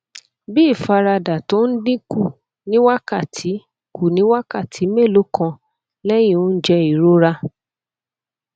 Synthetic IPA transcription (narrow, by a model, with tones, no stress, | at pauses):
bi˦˨fa˧ɾa˧da˨to˦n̩˦dĩ˦ku˦˨ | nĩ˦wa˦ka˦˨tʰi˨˦ | ku˦˨nĩ˨˦wa˦ka˦˨tʰi˨˦me˦˨lo˨˦kʰã˧ | lɛ˦j̃ĩ˦o˦n̩˦d͡ʒɛ˧i˨ɾo˦ɾa˧